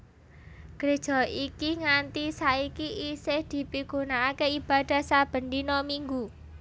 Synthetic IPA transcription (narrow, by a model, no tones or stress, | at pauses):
ɡ̥ɾed̥ʒ̥ɔ̤ikiŋant̪isaikiʔisɪhd̪̥i̤piɡ̥onaːkeib̥ad̪̥a̤sab̥ə̤nd̪inɔmiŋɡu